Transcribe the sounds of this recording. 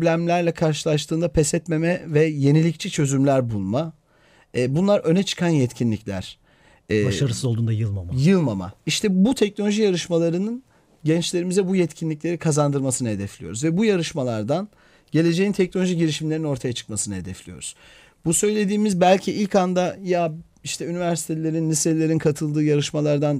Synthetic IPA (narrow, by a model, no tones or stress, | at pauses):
ɾblʲæmlʲæɾlʲɛkʰaɾʃɯlˠaʃt̪ʰɯːnd̪apʰɛsɛt̪me̞mɛvɛje̞nilʲict͡ʃʰit͡ʃʰø̞zymlʲæɾbulˠma | ɛːbunlˠaɾʔø̞nɛt͡ʃʰɯ̥kʰanjɛt̪cʰinlʲiclʲæ̰ɾ̥ | ɛːbaʃaɾɯsɯzo̞lˠd̪uːnd̪ajɯlˠmamajɯlˠmama̰iʃt̪ʰɛbut̪ʰɛcnolʲoʒijaɾɯʃmalˠaɾɯnɯn | ɟɛnt͡ʃlʲe̞ɾimizɛbujɛt̪cʰinlʲic̬lʲe̞ɾikʰazand̪ɯɾmasɯnɯɦe̞d̪ɛflʲijo̞ɾuzvɛbujaɾɯʃmalˠaɾd̪an | ɟe̞lʲe̞d͡ʒe̞jint̪ʰɛc̚nolʲo̞ʒiɟiɾiʃimlʲe̞ɾino̞ɾt̪ʰajat͡ʃʰɯ̥k̚masɯnɯɦe̞d̪ɛflʲijo̞̰ɾuz̥ | busø̞jlʲe̞d̪iːmizbælʲcʰiʔilʲcand̪aja | iʃt̪ʰɛynivæɾsi̥t̪ʰelʲe̞ɾinːiselːʲe̞ɾinkʰat̪ʰɯlˠd̪ɯːjaɾɯʃmalˠaɾd̪an